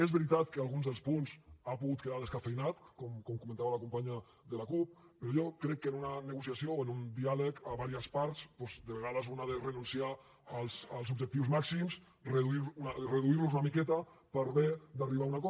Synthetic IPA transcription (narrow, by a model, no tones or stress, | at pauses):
ezβeɾit̪at̪kəalˠɣunzðelˠspunzapuɣut̪̚keðalðeskafejnat̪kɔmkɔmkumẽnt̪aβalakumpaɲa | ðəlakup̚ː | eɾojɔkɾɛkːenunaneɣusjasjooenund̪ialəkaβaɾiəspaɾt̪spɔzd̪eβeɣaðəzunaðerənunsiaː | lˠsəlˠzub̚d͡ʒek̚t̪iwzmaksims | reðuiɾunareðuiɾluzunamikɛt̪əpəɾβed̪ariβaunakɔ